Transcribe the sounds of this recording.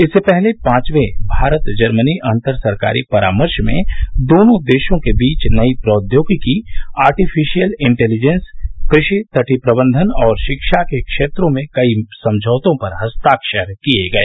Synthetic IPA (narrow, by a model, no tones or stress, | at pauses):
ɪsːepɛɦlepãːt͡ʃʋebʱaːɾət̪d͡ʒɐɾməniʔɐ̃nt̪əɾsɐɾka̰ːɾḭpɐɾa̰ːməɾʃmḛ̃d̪oːnõd̪eːʃõkebiːt͡ʃnɐipɾɔːd̪joːɡkiaːɾʈifʰɪʃijəlɪ̃ɳʈɛːlid͡ʒɛnskɾɪʃit̪ɐʈʰipɾəbə̃nd̪ʱənɔːɾʃɪkʃakekʃeːt̪ɾõmẽkɐisɐ̃md͡ʒʱəːʋt̪õpɐɾɦɐst̪aːkʃəɾkieɡɐḛː